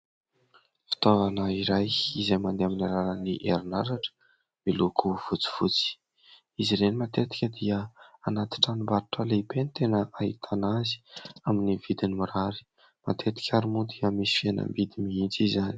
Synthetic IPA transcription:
fi̥t̪ovanəiɾajizajmand̪eaminiɾaɾəniʔeɾinaɾaʈ͡ʂə̥ | milukʰuv̥ut͡si̥v̥ut͡si̥ | iziɾenimat̪et̪i̥kʲəd̪iəanat̪i̥ʈ͡ʂanimbaɾuʈ͡ʂəleibenit̪enəʔaɦit̪ʰanazi̥aminivid̪inimuɾaɾi̥ | ma̰t̪ʰet̪i̥kʲaɾimud̪iəmisi̥fienə̰mbid̪imiint͡sizani̥

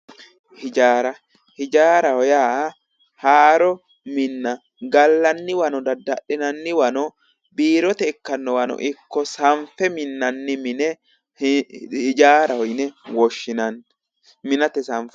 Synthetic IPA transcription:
hɪd͡ʒaːɾɐ | hɪd͡ʒaːɾɐhɔjaː | haːɾɔ | mɪnːɐ | ɡɐlːɐnːɪwɐnɔd̪ɐd̪ɐʔːɪnɐnːɪwɐnɔ | biːɾɔt̪ɛːkːɐnːɔwɐnɔ̰ʔɪkːɔsɐɱfɛmɪnːɐnːɪmɪnɛ | hɪd͡ʒaːɾɐhɔjnɛwɔʃːɪnɐn | mɪnɐt̪ɛsɐɱfɛ

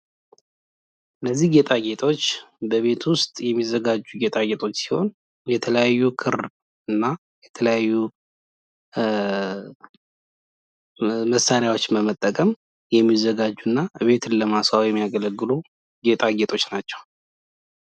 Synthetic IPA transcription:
ʔɨnːəzːihɡe̞t̪ʼaɡe̞t̪ʰʼo̞t͡ʃːbəβe̞t̪wʊst̪ʼjɛmːizəɡad͡ʒːuɡe̞t̪ʼaɡet̪ʰʼo̞t͡ʃːsi̥ho̞n | jɛt̪ʰələjajːukʰɨɾ | ɨnːa | jɛt̪ʰələjajːu | məsːaɾjawo̞t͡ʃːbəmət̪ʼːəkʼəm | jɛmːizːəɡad͡ʒːunːaβe̞t̪ʰɨnləmasawjɛmːijaɡələɡːɨlu | ɡe̞t̪ʼaɡe̞t̪ʰʼo̞t͡ʃːnat͡ʃːɛw

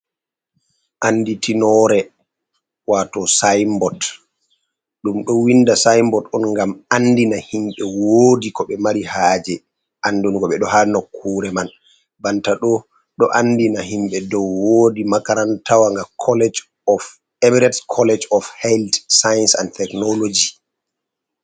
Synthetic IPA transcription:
ʔanːditʰinɔɾɛ | watɔsajmbɔt | ɗumɗɔwinːdasajmbɔtɔnŋɡamandinahimɓɛwoːdikɔɓɛmaɾihaːd͡ʒɛ | ʔanːduniɡɔɓɛɗɔhanokʰːuːɾɛman | bantaɗɔ | ɗɔʔandinahimɓɛdɔwːodimakaɾantawaŋɡakʰɔlɛd͡ʒ | ɔf | ɛmiɾɛtskʰɔlɛd͡ʒɔfhɛltsajnsantɛknɔlod͡ʒi

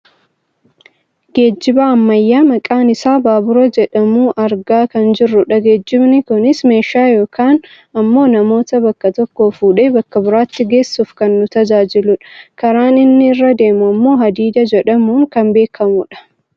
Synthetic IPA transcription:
ɡe̞ːd͡ʒːɪbaːɐmːɐjːaːmɐkʼaːnɪsaːbaːbʊɾɐd͡ʒɛᶑɐmuːʔɐɾɡaːkɐnd͡ʒɪrːʊᶑɐɡe̞ːd͡ʒːɪbnɪkʊnɪsme̞ːʃaːjo̞ːkʰaːn | ɐmːo̞ːnɐmo̞ːt̪ɐbɐkːɐt̪ɔkːo̞ːfuːᶑeːbɐkːɐbʊɾaːt̪ːɪɡe̞ːsːufkɐnːʊt̪ɐd͡ʒaːd͡ʒɪlʊᶑɐ̥kɐɾaːnɪnːɪːrːɐd̪e̞ːmʊɐmːo̞ːɦɐd̪iːd̪ɐd͡ʒɛᶑɐmuːŋkɐmbe̞ːkʰɐmʊᶑɐ̥

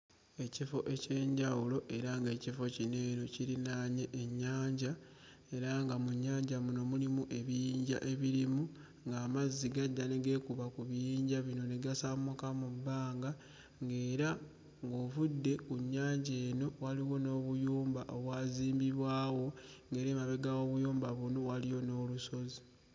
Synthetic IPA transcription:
e̞cifo̞ʔece̞ːɲɟawulo̞ʔe̞ɾaŋɡe̞ːcifo̞cine̞ːɾo̞ciɾinaɲe̞ʔːɲːaːɲɟa | e̞ɾaŋɡamuɲːaːɲɟamuno̞mulimuʔe̞βijiːɲɟa̰ʔe̞βiɾimu | ŋɡaːmazːiɡadːane̞ɡe̞kuβakuβijiːɲɟaβino̞ne̞ɡasamukamubːaːŋɡa | ŋɡe̞ːɾa | ŋɡo̞ːvudːe̞kuɲːaːɲɟe̞ːno̞waliwo̞no̞ːβujuːmbaʔoβwaːziːmbiβwaːwo̞ŋɡe̞ːɾimaβe̞ɡawo̞βujuːmbaβuno̞walijo̞no̞ːluso̞zi

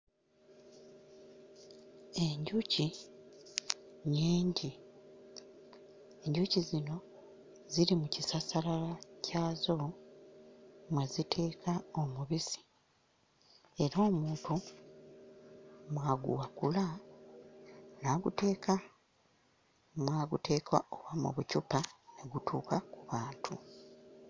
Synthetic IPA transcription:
e̞ɲɟuci | ɲiːɲɟi | e̞ɲɟucizino̞ | ziɾimucisasalalacʰaːzo̞ | mwezitʰe̞ːkʰaomuβisi̥ | e̞ɾo̞ːmuːntu | mwaːɡṵwakula | naɡute̞ːkʰa | mwaːɡute̞ːkwa̰o̞βwamṵβucupaneɡutʰuːkakuβaːntʰu

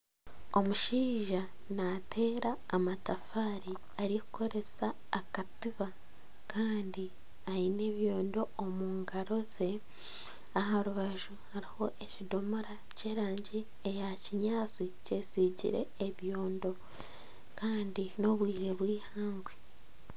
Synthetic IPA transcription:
o̞muʃiːʒa | natʰe̞ːɾaːmatafaːɾi | aɾiku̥kʰo̞ɾe̞saː | katiβa | kaːndi | aine̞βjoːndo̞ːmuːŋɡaɾo̞ze̞ | aɦaɾuβaʒuhaɾiho̞ʔe̞cidomoɾa | ce̞ːɾaːɲɟi | ejaciɲaːt͡sice̞siːɟḭɾe̞̰ːβjo̞ːndo̞ | kaːndino̞βwiːɾe̞βwiːhaːŋɡwe

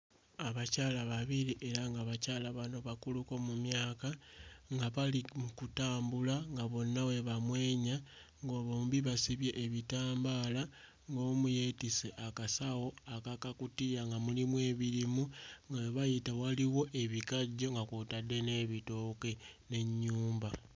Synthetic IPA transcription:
aβacaːlaβaβiɾiʔe̞ɾaŋɡaβacaːlaβano̞βakuluko̞mumjaːkaŋɡaβalimukutaːmbulaŋɡaβo̞nːawe̞βamwe̞ːɲa | ŋɡoβoːmbiβasiβje̞ʔːβitaːmbaːla | ŋɡo̞ːmuje̞ːtiseʔakasawo̞akakakutijaŋɡamulimwe̞ːβilimuŋɡaweβajitawaliwo̞ʔe̞βikaɟo̞ŋɡakutade̞ne̞ːβito̞ke̞ne̞ɲːuːmba

